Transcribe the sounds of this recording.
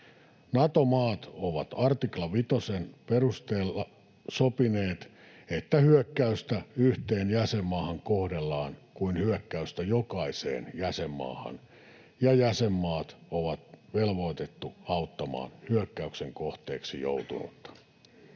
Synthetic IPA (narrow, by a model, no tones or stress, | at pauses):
nɑt̪omɑːt̪oʋɑt̪ɑrt̪iklɑʋit̪osenperust̪eːlːɑ | sopineːt̪ | et̪ːæhyøkːæyst̪æyht̪eːnjæsemːɑːhɑŋkohdelːɑːnkuinhyøkːæyst̪æjokɑisḛːnjæsemːɑ̰ːhɑ̰n | jɑjæsemːɑːt̪oʋɑt̪ʋelʋo̞it̪et̪ːuɑut̪ːɑmɑ̰ːnhyøkːæykseŋkoht̪ḛːksḭjo̰ut̪ṵnṵt̪ːɑ̥